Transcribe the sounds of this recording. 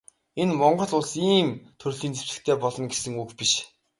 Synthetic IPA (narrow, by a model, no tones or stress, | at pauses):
enmɔɴɢɞ̆ɮʊɮsiːmt̪ʰɵrɮiːnt͡se̥ɘ̥̆kt̪ʰeːpɔɮɞ̆nɡesɘ̆ŋukpiʃ